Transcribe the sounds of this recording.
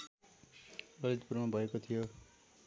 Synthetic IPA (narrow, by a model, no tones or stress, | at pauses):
ʌlit̪̚purmabʱʌekot̪ʰijo